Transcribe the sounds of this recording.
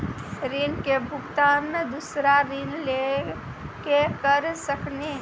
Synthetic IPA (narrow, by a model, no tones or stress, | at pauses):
ɾinkebʱukt̪anəd̪usɾaɾinle | kekəɾsəkne